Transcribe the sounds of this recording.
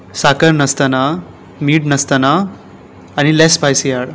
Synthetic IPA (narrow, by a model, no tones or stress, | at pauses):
sakəɾnəst̪əna | miːʈnəst̪ənaː | ɽ̃ilɛspajsijaɽ